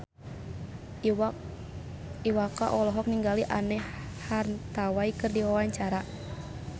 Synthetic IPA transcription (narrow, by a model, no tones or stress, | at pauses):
iwakaʔɔlɔɦɔk̚niŋɡaliʔanɛ | hart̪awaikɨrdiwawaɲt͡ʃaɾa